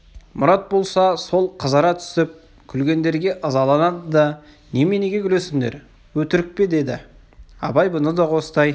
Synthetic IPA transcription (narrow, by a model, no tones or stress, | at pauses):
mʊɾɑt̪̚bo̞lˠsɑso̞lˠqʰəzɑɾɑt̪ʰʏ̥sɪp̚ | kʲʰʏlɡʲe̞nd̪e̞ɾɡʲe̞ʔɑzɑlˠɑnɑd̪əd̪ɑ | nemeneɡʲe̞ɡʲʏle̞sɪŋd̪ḛɾ | wɵt̪ɪɾɪk̚pe̞d̪e̞d̪ɪ̰ | ɑ̰bɑjbʊnəd̪ɑqo̞sət̪ɑj